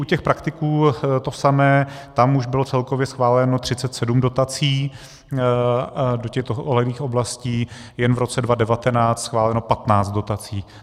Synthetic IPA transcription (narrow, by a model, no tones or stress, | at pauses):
ʔucɛxpɾakt̪ɪkuːt̪o̞samɛːt̪amuʒbɪlot͡sɛlkovjɛsxvaːlɛnot̪r̥ɪt͡sɛt̪sɛdumdo̞t̪at͡siː | docɛxt̪oʔolɛliːxo̞blasciː | jɛnvɾo̞t͡sɛdvadɛvat̪ɛnaːt͡st̪sxvaːlɛno̞pat̪naːt͡st̪̚do̞t̪at͡siː